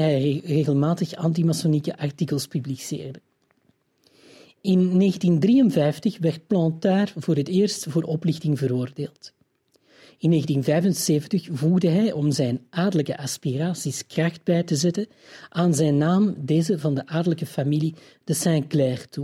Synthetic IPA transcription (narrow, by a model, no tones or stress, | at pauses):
ɦɛjreːɣəlˠmaːtəxɑ̰nt̬imasonikəʔɑrtikəlˠspyblisḛːrdə | ɪnːeːɣəntindrijənvɛjftəxʋɛrt̚plɑ̃ntaːrvoːɾɦətɪːrstvoːɾʔɔplɪxtɪŋvəɾoːrdeːlˠt | ɪnːeːɣəntinvɛjvənseːvəntəxvuɣdəɦɛjʔɔmzɛjnʔaːrdələkə̰ʔɑspiraːsiskrɑxt̚bɛjtəzɛtə | ʔaːnzɛjnːaːmdeːzəvɑndəʔaːrdələkəfamili | d̥əsɛ̃ŋklɛrtu